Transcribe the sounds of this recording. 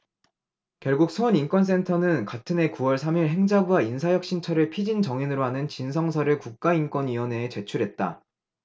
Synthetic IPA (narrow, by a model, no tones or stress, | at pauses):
kjʌɭɡuk̚sʰoːnink͈wʌns͈e̞ntʰʌnɯnkatʰɯnɦe̞kuwʌɭsʰamiɭɦe̞ŋd͡ʑabuainsʰajʌk̚ɕ͈ʰint͡ɕʰʌɾɯɭpʰid͡ʑint͡ɕʌŋinɯɾoɦanɯnt͡ɕinsʰʌŋsʰʌɾɯɭkuk̚k͈aink͈wʌnɥiwʌne̞ːt͡ɕe̞t͡ɕʰuɾɦe̞t̚t͈a̰